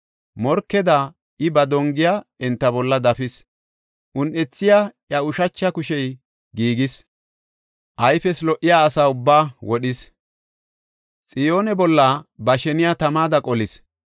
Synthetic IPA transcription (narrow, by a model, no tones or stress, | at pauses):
mɔɾkːɛd̪a | ɪbɐd̪ɔŋɡɪjaːɛnt̪ːɐbɔlːɐd̪ɐfɪs | ʔʊnʔɛt͡sːɪjajɐʊʃɐt͡ʃːɐkʊʃɛj | ɡiːɡɪs | ʔɐjfɛslɔʔːɪjaːsaːʊbːaːwɔɗɪs | t͡sʼɪjo̞ːnɛbɔlːɐbɐʃɛnɪjat̪ɐmaːd̪ɐkʼɔlɪs